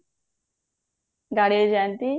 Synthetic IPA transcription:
ɡaɽed͡ʒant̪i

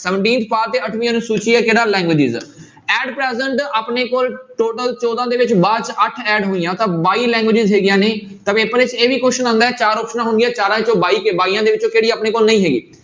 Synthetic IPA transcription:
sɛːʋəɳʈĩːnt̪ʰpaːɾt̪eːəʈʰʋĩːãːnũːsuːt͡ʃiːɛːkɪɽãːlɛ̃ːŋɡʋɪd͡ʒɪz | ɛːɖpɾɛːzəɳʈaːpneːkoːlʈoːʈəlt͡ʃɔːd̪ãːd̪eːʋɪt͡ʃbaːt͡ʃəʈʰɛːɖɦoːĩjãːt̪ãːbaːiːlɛ̃ːŋɡʋɪd͡ʒɪzɦɛːɡɪjãːneːt̪əbẽːpənɪt͡ʃeːʋiːkoːʃənãːnd̪aɛːt͡ʃaːɾopʃənãːɦonɡ̪iɛːt͡ʃaːɾãːt͡ʃõːbaːiːkeːbaːiːãːd̪eːʋɪt͡ʃõːkeːɽiːaːpneːkoːlnə̃ĩːɦɛːɡḭː

